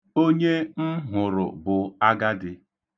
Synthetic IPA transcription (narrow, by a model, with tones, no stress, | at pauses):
o˦ɲe˦m̩˦ɦʊ˨ɾʊ̰˨bʊ˨a˦ɡa˦dɪ˨